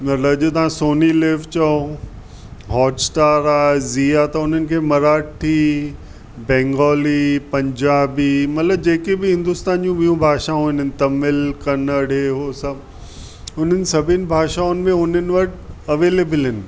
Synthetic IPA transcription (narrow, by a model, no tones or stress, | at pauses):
mɐlɐd͡ʑot̪ɐʋ̤ãsoːnileːʋt͡ɕɐo | ɦɔːʈsʈaːɾaːeziːat̪ɐʊn̤ənɪ̆kʰeːmɐɾaːʈ̚ʈʰiː | bɛ̃ːŋɡɔːlipɐ̃ɲd͡ʑaːbimɐt̪ləb̚d͡ʑeːkebɪɦɪ̃nd̪ʊst̪aːnd͡ʑũɓijũbʱaːʃaɦuːɪnɪn̆t̪ɐmɪlkɐnəɽeɦosɐ | ʊn̤ənɪ̆sɐbʱɪnɪ̆bʱaːʃaːʊnɪ̆mẽʊn̤ənɪ̆ʋɐʈɐʋeːleːbɪlɦɪnɪ̆